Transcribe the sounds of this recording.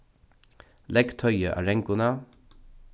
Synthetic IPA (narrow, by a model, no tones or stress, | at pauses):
lɛɡt̪ʰœʏəʔæ̰ːɹɛŋkʊnɑ